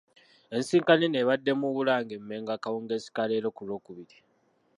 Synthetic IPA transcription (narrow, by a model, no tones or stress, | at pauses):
e̞nsiːŋkanine̞βadːe̞muβulaːŋɡemːe̞ːŋɡakawoːŋɡe̞ːsi̥kaleːɾo̞kulo̞ːkuβiɾi